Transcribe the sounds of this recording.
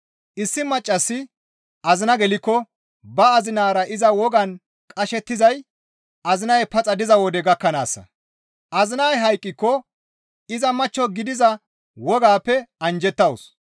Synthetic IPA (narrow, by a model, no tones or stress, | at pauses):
ʔɪsːɪmɐt͡ʃʼːɐsːɪ | ʔɐzɪnɐɡɛlɪkːɔ | bɐːzɪnaːɾɐʔɪzɐwɔɡɐn | kʼɐʃɛt̪ːɪzɐj | ɐzɪnɐjɛpɐt͡sʼɐd̪ɪzɐwɔd̪ɛɡɐkːɐna̰ːsːɐ̰ | ʔɐzɪnajɦɐjkʼːɪkːɔ | ɪzɐmɐt͡ʃːɔɡɪd̪ɪzɐ | wɔɡaːpːɛɐnd͡ʒɛt̪ːɐwʊs